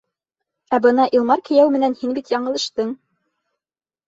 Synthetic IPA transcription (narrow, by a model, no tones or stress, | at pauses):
æbɤnɑʔilˠmɑɾkɘ̆jæwmɘ̆nænhinbit̪jɑɴɤ̆lˠɤ̆ʃt̪ɤɴ